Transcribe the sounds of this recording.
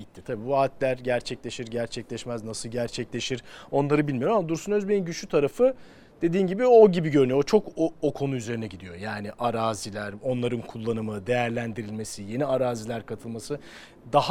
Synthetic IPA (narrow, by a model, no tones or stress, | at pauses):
it̪ʰːi̥t̪ʰabiːbuaːt̪ʰlʲæɾɟæɾt͡ʃʰɛclʲe̞ʃiɾɟæɾt͡ʃʰɛclʲɛʃmæznasɯlˠɟæɾt͡ʃʰɛclʲe̞ʃiɾ̥o̞nlˠaɾɯbilʲmijo̞ɾmamad̪uɾsunøzbeninɟyʃyt̪ʰaɾafɯ | d̪e̞d̪iːnɟibioɟibiɟø̞ɾynyoot͡ʃʰo̞kookʰo̞nuyze̞ɾinɛɟid̪ijo̞jaːniʔaɾaːzilʲæɾo̞nlˠaɾɯnkʰulˠːanɯmɯd̪e̞jæɾlʲænd̪iɾilʲme̞sije̞niaɾaːzilʲæɾkʰat̪ʰɯlˠmasɯ | d̪aɦ